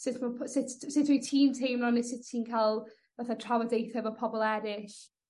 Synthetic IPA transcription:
sɪtʰməpʰsɪtsɪtʰmətʰiːntʰejmɔnɪsɪtʰiːnkʰalˠ | vəθətʰɹ̥awədejθəvəpʰɔbɔlˠɛːɾɪʃ

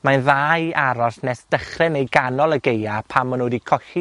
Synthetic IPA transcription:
manðaːjaɾɔsnɛsd̥əχrɪnejɡanɔlˠəɡejapʰamənoːdikʰɔɬi

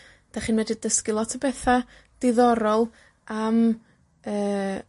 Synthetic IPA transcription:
d̥aχiːnvɛdɪdəskɪlˠɔtʰəbɛθa | d̥ɪðɔɾɔlˠ | am | əː

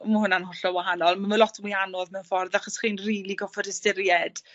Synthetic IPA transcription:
məɦʊnanhʊɬɔwaɦanɔlˠmaməlˠɔtʰmwianɔðmɛnfɔrðaχɔsχiːnriːlˠiɡɔfɔdəstɪɾjɛd̥

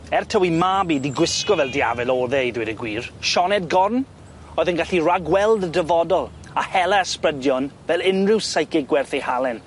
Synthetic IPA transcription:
ɛrtʰəwimabidiɡwɪskɔvɛlˠdiavɛlɔːðɛidwɪdəɡwiːrʃɔnɛd̚ɡɔrn | ɔɨðənɡaɬiraɡwɛlˠdədəvɔdɔlˠ | ahɛlˠaəsprədjɔnvɛlˠɪnrɪwsajkɪɡwɛrθejhalɛn

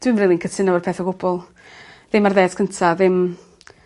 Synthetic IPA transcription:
d̥wɪmriːlˠinkʰətʰɪnawərpʰeːθɔɡʊbɔlˠ | ðɪmarðeːdkʰəntʰaðɪm

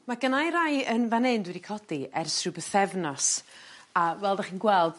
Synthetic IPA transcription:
maɡənajɾajənvanendwɪdikʰɔdiɛrsrɨbəθɛvnɔsawɛlˠdaχiːnɡwɛlˠd̥

